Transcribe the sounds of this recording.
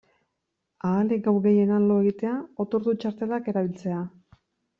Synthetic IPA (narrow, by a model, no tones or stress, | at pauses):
aːleɡawɾɣe̞je̞nanlo̞e̞ɣit̪e̞ao̞t̪o̞ɾðut͡ʃaɾt̪e̞lake̞ɾaβ̞ilt͡se̞a